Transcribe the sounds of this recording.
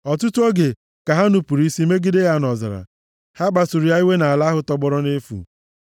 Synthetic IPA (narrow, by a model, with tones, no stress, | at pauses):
ɔ˨tu˦tu˦ɔ˦ɡe˨ | ka˨ɦa˦nu˨pu˨ɾi˦si˦me˦ɡɪ˦de˦ja˦nɔ˨za̰˨ɾa̰˨ | ha˦ɡ͡ba˨sʊ˨ɾi˨ja˦i˦we˦na˨a˨la˦ɦʊ˦tɔ˦ɡ͡bɔ˦ɾɔ˦ne˦fṵ˨